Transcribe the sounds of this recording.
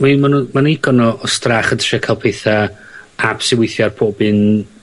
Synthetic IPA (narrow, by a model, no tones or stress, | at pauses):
mimanumanuiɡɔnɔʔɔstraχəntʰr̥akʰajlˠpʰejθa | ab̥sɪwɪjθjarpʰoːbɨn